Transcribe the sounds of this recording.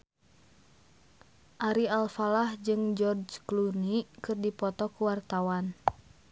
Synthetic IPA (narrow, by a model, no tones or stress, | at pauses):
ʔaɾialfalahd͡ʒɨŋd͡ʒɔrd͡ʒklunikɨrdipɔt̪ɔkuwart̪awan